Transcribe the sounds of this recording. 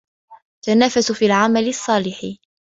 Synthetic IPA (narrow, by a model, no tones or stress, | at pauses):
t̪anaːfasʊfiːlʕamalɪsˤːɑːlɪħɪ